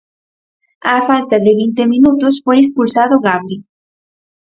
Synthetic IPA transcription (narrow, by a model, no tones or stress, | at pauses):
afalt̪aðeβint̪emĩnut̪osfojespulsaðoɣaβɾi